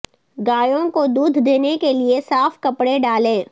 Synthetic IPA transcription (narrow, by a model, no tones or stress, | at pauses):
ɡaːjõkod̪uːd̪ʱd̪eːnekeliesaːfkɐpɽeɖaːlẽː